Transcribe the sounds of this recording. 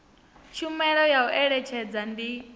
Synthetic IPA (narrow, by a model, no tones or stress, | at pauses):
t͡ʃʰumɛɺɔjauʔɛɺɛt͡ʃʰɛd͡zandi